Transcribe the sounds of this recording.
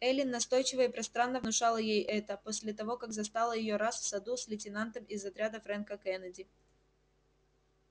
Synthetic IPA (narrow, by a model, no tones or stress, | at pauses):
ɛlʲɪnːɐst̪o̞jt͡ɕɪvəɪpɾɐst̪ɾanːəvnʊʂalˠəjejʔɛt̪əposʲlʲɪt̪ɐvo̞kakzɐst̪alˠəjɪjo̞ɾasfsɐd̪usʲlʲɪtʲɪnant̪əmɪzɐt̪ɾʲad̪əfɾɛnkəkɛnədʲɪ